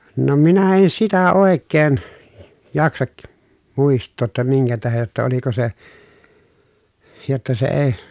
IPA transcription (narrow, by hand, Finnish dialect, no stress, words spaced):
no minæ en sitæ oˑekːeːn jɑksɑk muˑistˑoː tːɑ miŋkæ tæhej jotːɑ oliko se jotːɑ se eː